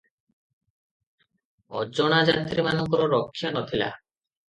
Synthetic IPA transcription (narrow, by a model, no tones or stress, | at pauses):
ɔd͡ʑɔɽ̃ad͡ʒat̪ɾimanɔŋkɔɾɔɾɔkʰːjanɔt̪ʰila̰